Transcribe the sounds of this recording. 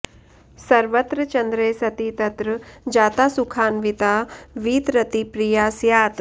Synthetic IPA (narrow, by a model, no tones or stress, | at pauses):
sɐɾʋət̪ɾət͡ʃɐ̃nd̪ɾeːsɐt̪iːt̪ɐt̪ɾəd͡ʒaːt̪aːsukʰaːnʋɪt̪aːʋiːt̪ɾɐt̪ipɾijaːsjaːt̪